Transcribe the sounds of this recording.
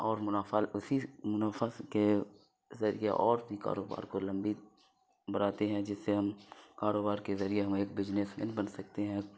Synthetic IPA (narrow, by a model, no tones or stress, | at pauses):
ɔːɾmʊnafalʊsimʊnafaske | zɐɾḭjeʔɔ̰ːɾbʱika̰ːɾoːba̰ːɾkolɐ̃mbi | bɐɽaːt̪eɦɛ̃d͡ʒɪsːeɦɐmkaːɾoːbaːɾkezɐɾieɦɐmeːkbɪd͡ʒnesmenbɐnsɐk̚t̪eɦɛ̃